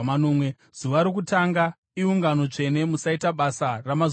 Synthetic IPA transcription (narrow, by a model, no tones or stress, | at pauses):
anoːmwe | z̥uʋaɾok̬utaŋɡa | iuŋɡano̞t͡ʂe̞ne̞musaitaɓasaramaz